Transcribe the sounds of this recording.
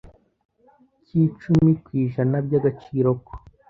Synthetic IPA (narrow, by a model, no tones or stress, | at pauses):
ciːt͡ʃumikwiːʒanabɟaɡat͡ʃiːɾo̞ko̥